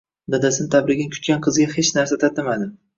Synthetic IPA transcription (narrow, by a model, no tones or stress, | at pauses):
d̪ad̪asɪnɪt̪ʰabɾɪɡʲɪnɪkʲʰʊ̥t̪kʲanqʰɨzɡʲahet͡ʃnaɾsat̪ʰat̪ɪmad̪ɪ